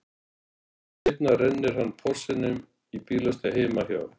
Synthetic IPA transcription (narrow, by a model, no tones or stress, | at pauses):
ɪjp̪narɛnːɪɾ̥hanːpʰɔr̥sɪnːʏm | ipiːlast̪aɦeːjmaçja̰ːwɾ